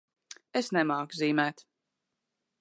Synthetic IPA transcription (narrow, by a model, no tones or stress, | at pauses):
esnɛmaːkziːmæːt̪